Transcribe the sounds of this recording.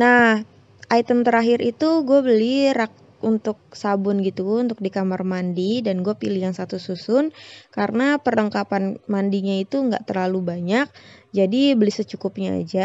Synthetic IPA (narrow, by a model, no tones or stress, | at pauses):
nah | ʔajt̪əmt̪əɾaɦɪɾit̪uɡuabəliɾak̚ | unt̪ʊk̚sabʊnɡit̪uunt̪ʊk̚dikamarmandidanɡuapiliɦaŋsat̪ususʊnkaɾənapərəŋkapanmandiɲait̪uŋɡa̰ʔt̪ərlalubaɲak̚d͡ʒadibəlɪhsət͡ʃukʊp̚ɲa̰ːd͡ʒa